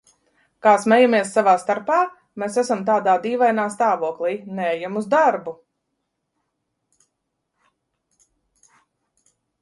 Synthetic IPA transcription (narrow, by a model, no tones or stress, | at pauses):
kaːsmɛjamiɛsːavaːst̪aɾpaː | mesæsamt̪̬aːd̪aːd̪iːvajnaːst̪aːvuɔklˠiːneɛjamuzd̪aɾbu